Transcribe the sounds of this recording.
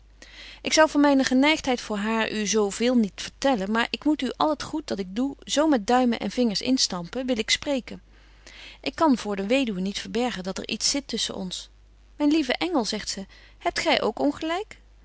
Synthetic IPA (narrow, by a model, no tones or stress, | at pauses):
ʔɪksɑwvɑnmɛjnəχənɛjχtɦɛjtfʊːɹɦaːɹʔyzowvɪːlˠnitfəɹtɛlənmaːɹʔɪkmutyʔɑlˠətχut̚dɑtɪɡ̚duzowmɛtd̚dœɥmənʔɛ̰nvɪŋəɹsɪ̰nstɑmpəʋɪlɪksprejkən | ʔɪkːɑnvʊːɹdəʋejdywənitfəɹbɛɹχəndɑtə̰ɹʔitsɪtɵsə̰nʔɔ̰ns | mɛjnlivəʔɛŋəlˠzɛχtsə | hɛp̚tχɛjʔo̰wkɔnχəlɛjk